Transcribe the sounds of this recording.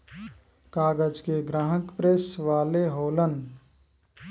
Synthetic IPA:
kaːɡəd͡ʒkeɡɾaːɦəkpɾesʋaːleɦoːlən

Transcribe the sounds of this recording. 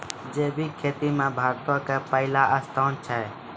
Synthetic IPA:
d͡ʒeːbʱiːkʰeːt̪iːmẽːbʱaːɾt̪õːkeːpəɪlaːʔəst̪ʰaːnt͡ʃʰɛː

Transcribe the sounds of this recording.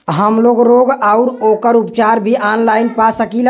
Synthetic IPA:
ɦəmloɡɾoːɡaʊɾoːkəɾupt͡ʃaːɾbʱiʔaːnlaːɪnpasəkil

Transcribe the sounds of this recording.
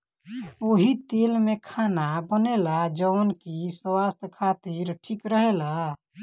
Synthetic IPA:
oːɦit̪eːlmekʰanabənelad͡ʒəənkiswast̪ʰkʰaːt̪iɾʈʰikɾəɦela

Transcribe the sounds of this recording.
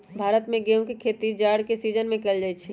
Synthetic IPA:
bʱaːɾət̪mẽɡeːõkikʰeːt̪id͡ʒaːɽkesiːd͡ʒənmẽkeld͡ʒaːit͡ʃʰi

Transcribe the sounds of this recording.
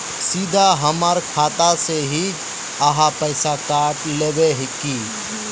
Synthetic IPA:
sid̪ʱaɦəməɾkʰaːt̪aseɦid͡ʒ | əɦapəɪsakaʈlebeɦɪki

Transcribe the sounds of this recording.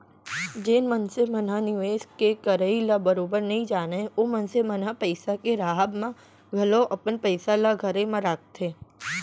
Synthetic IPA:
d͡ʒeːnmənsemənanɪʋeːskekəɾəilabəɾobəɾnəɦĩd͡ʒaːneomənsemənapəɪsakeɾaɦabmã | ɡʱəloʔəpəɳpəjsalaɡʱəɾemãɾaːk̚t̪ʰe

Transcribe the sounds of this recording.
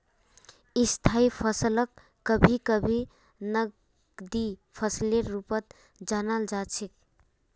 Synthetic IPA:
ist̪ʰaipʰəsləkː | əbʱikəbʱi | nə | d̪ipʰəsleɾːupət̪̚ | d͡ʒanald͡ʒat͡ʃʰek

